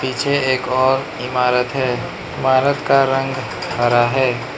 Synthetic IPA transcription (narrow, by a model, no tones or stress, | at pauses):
piːt͡ʃʰeeːkɔːɾ | ɪmaːɾət̪ɦɛː | ɪmaːɾət̪kaɾə̃ŋɡ | həɾaɦɛː